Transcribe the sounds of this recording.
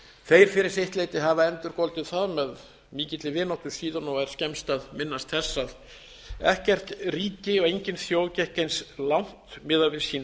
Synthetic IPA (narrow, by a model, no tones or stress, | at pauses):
θejɾ̥fɪɾɪɾ̥seht̪lejt̪ɪɦavaɛnt̪ʏɾkɔlt̪ɪðθaðmɛð | miːcɪt̪lɪvɪnawht̪ʏ̥siːðanɔɛɾ̥scɛmst̪aðmɪnːast̪θɛsːað | ɛ̰hcɛr̥t̪riːcɪɔɣejɲcɪnθjowcɛhkejnslawn̥t̪mɪːðavɪðsiːna